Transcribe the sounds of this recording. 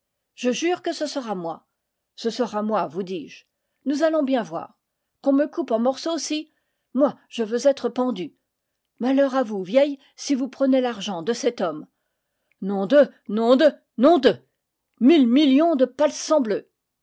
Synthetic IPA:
ʒ̥əʒyʁkəsəsəʁamwa̰ | səsəʁamwavud̪iʒ | nuzalɔ̃bjɛ̃vwa̰ːʁ | kɔ̃məkupɑ̃mɔʁsoːsi | mwaʒ̥əvøzɛt̪χəpɑ̃d̪y | malœʁavuvjɛj | sivupχənelaʁʒɑ̃d̪əsɛt̪ɔm | nɔ̃d̪ənɔ̃d̪ə | nɔ̃d̪ə | milmiljɔ̃d̪əpalsɑ̃blø

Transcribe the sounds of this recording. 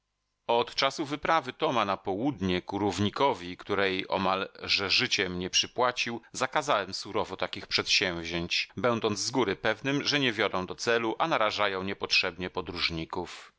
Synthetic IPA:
ɔt̪t͡ʂasuvɘpɾavɘt̪ɔmanapɔwud̪ɲɛkuɾuvɲikɔvʲikt̪uɾɛjʔɔ̰malʐɛʐɘt͡ɕɛmɲɛpʂɘpwat͡ɕiwzakazawɛmsuɾɔvɔt̪akʲixpʂɛt̪ɕɛ̃w̃vʑeɲt͡ɕbɛnd̪ɔnd̪zzɡuɾɘpɛvnɘmʐɛɲɛvʲjɔd̪ɔ̃w̃d̪ɔt̪sɛluʔanaɾaʐajɔ̃w̃ɲɛpɔtʂɛbɲɛpɔd̪ɾuʐɲikuf

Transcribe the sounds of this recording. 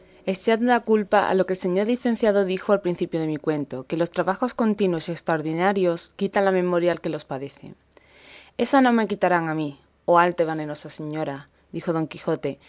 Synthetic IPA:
e̞seat̪̚d̪akulpaa̰lo̞ke̞lse̞ɲo̞ɾliθẽ̞n̟θjað̞o̞ðixoalpɾin̟θipjoð̞e̞mikwe̞nt̪oke̞lo̞st̪ɾaβaxo̞sko̞nt̪inwo̞sie̞kst̪ɾaoɾðinaɾjo̞skit̪anlamẽ̞mo̞ɾjaːlke̞lo̞spaðe̞θḛŋ | e̞sanõ̞me̞kit̪aɾaŋami | oalt̪eβane̞no̞sase̞ɲo̞ɾa | ðixo̞ð̞o̞ŋkixo̞t̪e̞

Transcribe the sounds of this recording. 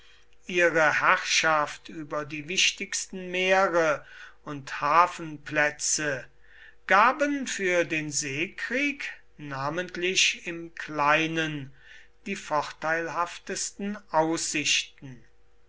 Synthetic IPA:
ʔiːʁəhæʁʃaftyːbɐdiːvɪʃtɪkstn̩meːʁəʊnthaːfn̩plɛt͡sə | ɡ̥aːbənfyːɐdeːnzeːkʁ̥iːk | naːməntlɪɕɪmkʰlaɪnən | d̥iːfɔχtaɪlɦaftəstn̩aʊsɪʃtn̩

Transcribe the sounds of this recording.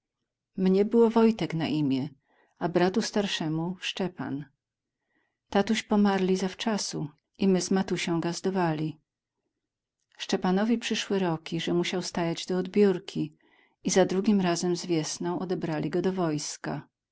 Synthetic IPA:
mɲɛbɘwɔvɔjt̪ɛkna̰ʔimʲjɛ | abɾat̪ust̪aɾʂɛmuʂt͡ʂɛpa̰n | t̪at̪uɕpɔmaɾlʲizaft͡ʂasu | imɘzmat̪uɕɔ̃w̃ɡazd̪ɔvalʲi | ʂt͡ʂɛpanɔvʲipʂɘʂwɛɾɔkʲiʐɛmuɕawst̪ajad͡ʑd̪ɔːd̪bʲjuɾkʲʰi | izad̪ɾuɡʲimɾazɛmzvʲjɛsnɔ̃w̃ʔɔd̪ɛbɾalʲiɡɔd̪ɔvɔjska̰

